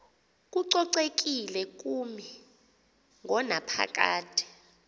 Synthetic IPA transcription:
k̬ʼuǀɔǀek̬ʼilɛk̬ʼumi | ŋʱɔnapʰa̰k̬ʼa̰ːtʰi̥

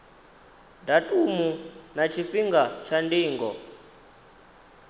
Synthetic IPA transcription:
datʼumunat͡ʃʰifiŋɡat͡ʃʰandiːŋɡɔ̰

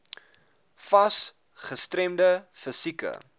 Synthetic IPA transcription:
fɐs | χəstɾɛmdəfəsikə̰

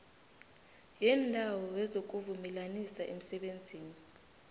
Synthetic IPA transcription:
jɛndʱawɔwɛzok̬uvumɛlanisaʔem̩sɛɓend͡zʱiːni

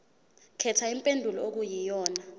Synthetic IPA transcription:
kʰɛtʰaim̩pʼendʱulɔok̬ujijɔːna

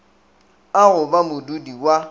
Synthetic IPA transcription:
aɣʊbamʊdudiwa

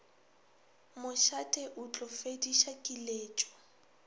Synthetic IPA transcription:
mʊʃatʼeʔut͡ɬʼɔfediʃakʼileːt͡ʃʼɔ̥

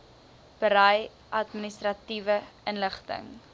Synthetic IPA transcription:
b̥əɾɐj | ʔɐtministrɐtivəənləχtə̰ŋ

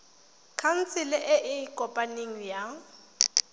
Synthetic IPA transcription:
kʰan̩t͡sʰɪlɪʔɪʔɪkʼɔpʼaneŋ̩ja

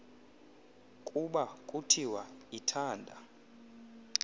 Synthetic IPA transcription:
kʼuɓakʼutʰiwaitʰaːndʱa̰

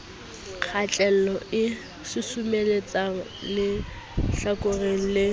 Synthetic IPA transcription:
k͡xʰat͡ɬʼɛlɔɪ | sɪsʊmelet͡sʼaŋ̩lɪ | ɬakʼʊreŋ̩lɪ

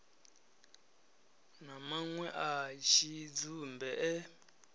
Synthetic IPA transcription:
namaŋwɛʔaʃid͡zumbɛʔɛ

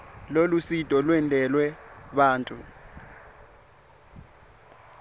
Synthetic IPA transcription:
lolusid̥ʱʼɔlwɛndʼʱɛlwɛɓaːntʼu

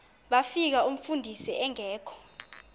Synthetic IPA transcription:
ɓafik̬aum̩fundʱisiɛŋɛːkʰɔ̥

